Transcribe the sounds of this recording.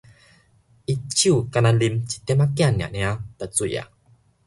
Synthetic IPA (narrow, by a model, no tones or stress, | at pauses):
ʔit͡ɕikanalimt͡ɕi̥t̪ɛmakianːia̰ʔniatat͡suja̰